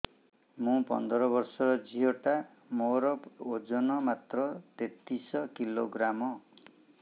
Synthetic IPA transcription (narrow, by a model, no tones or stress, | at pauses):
mũpɔ̰nd̪ɾɔbɔɾsɔɾɔd͡ʒiɦoʈa | moɾɔod͡ʒɔnɔmat̪ɾɔt̪et̪isɔkiloɡɾamɔ